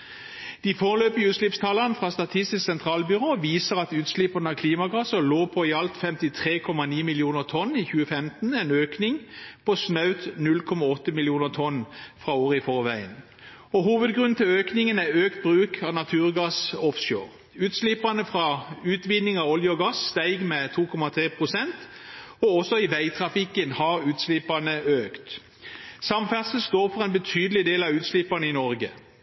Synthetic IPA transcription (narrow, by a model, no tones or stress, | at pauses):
d̪̥iːfɔʁəløːpɪʉːt̪slɪpst̪ʰɑːlɑnfʁɑːst̪ɑt̪ʰɪst̪ɪsksɛnt̪ʰʁɑːlbʏʁoːʋiːsəʁɑt̪ʉːt̪slɪpɑnəɑkʰliːmɑɡɑsəʁloːpʰɔɪɑlt̪fɛmt̪ɪt̪ʰʁeːkʰɔmɑniːmɪljuːnəʁt̪ʰɔnːiçʉːəfɛmt̪n̩ɛnøːknɪŋpʰosnœʉt̪nʉlkʰɔmɑɔt̪ːəmɪljuːnəʁt̪ʰɔnfʁɑoːʁəɪfɔʁʋæɪə̰n | ɔɦuːʋəd̪ɡʁʉnn̩t̪ʰɪløːknɪŋənæøːkt̪̚bʁʉːkʰɑʋnɑt̪ʰʉːʁɡɑsɔfso̰ːʁ | ʉːt̪slɪpɑnəfʁɑʉːt̪ʋɪnːɪŋɑɔljəɔɡɑsːt̪æɪɡmɛt̪ʰuːkʰɔmɑt̪ʰʁeːpʰʁʊsɛnt̪ɔɔsɔɪʋæɪt̪ʰʁɑfɪkənhɑʁʉːt̪slɪpɑnəøːkt̪ | sɑmfæʁt̪səl̩st̪oːʁfɔʁɛɪnbət̪ʰyːd̪əl̩ɪd̪eːlɑʋʉːt̪slɪpɑnəɪnɔʁɡə